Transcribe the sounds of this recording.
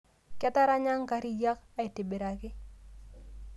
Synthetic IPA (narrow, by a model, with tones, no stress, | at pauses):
kɛ˦ta˦ɾa˦ɲa˦ŋka˦ɾi˦ja˦ka˨i˨tɪ˨bɪ˨ɾa˨kɪ˦